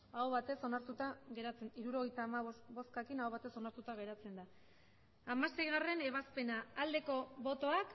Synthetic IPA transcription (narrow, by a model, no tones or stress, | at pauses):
awβat̪e̞so̞naɾt̪ut̪aɣe̞ɾat͡seiɾuɾo̞ɣ̞e̞jt̪aːmaβo̞skakinawβat̪e̞so̞naɾt̪ut̪aɣ̞e̞ɾat͡se̞nd̪a | amase̞jɣare̞ne̞βaspe̞naːld̪e̞ko̞βo̞t̪o̞ak